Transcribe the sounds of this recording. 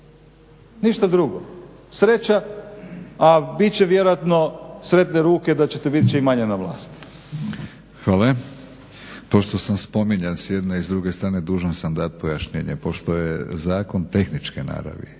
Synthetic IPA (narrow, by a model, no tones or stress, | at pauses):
niʃt̪ad̪ɾuɡo̰ | sɾet͡ʃa | abit̪t͡ɕeʋjeɾojat̪nosɾe̞t̪neɾuːke̞d̪at͡ɕet̪ebit̪t͡ʃeimaɲenaʋlˠa̰ːst̪ | xʋaːle | po̞ʃt̪o̞samspo̞miɲansjed̪naizd̪ɾuɡest̪ɾaːned̪uːʒansand̪at̪̚pojaʃɲḛːɲḛpo̞ʃt̪o̞jezaːko̞nt̪e̞xnit͡ʃkena̰ːɾa̰ʋḭ